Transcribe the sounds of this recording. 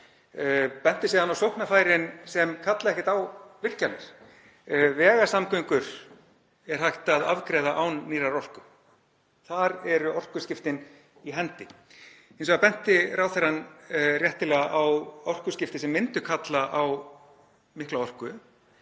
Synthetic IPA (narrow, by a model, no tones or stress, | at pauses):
pɛn̥t̪ɪsiːðanawsowhknafaːjɾɪnsɛmkʰat̪laðɛhkcɪt̪awvɪr̥calnɪɾ̥ | vɛːɣasamkʏŋkʏɾ̥ | ɛɾ̥hajht̪aðavkɾɛːðaʔawnːiːɾaɾɔr̥kʏ | θaɾɛɾʏɔr̥kʏscɪft̪ɪn | iɦɛnt̪ɪ | ensɔɣðapɛn̥t̪ɪraːwθɛɾanrjɛht̪ɪlɛɣaʔawɔwr̥kʏscɪft̪ɪsɛmːɪnt̪ʏkʰat̪laʔaw | mɪhklawɔr̥kʏ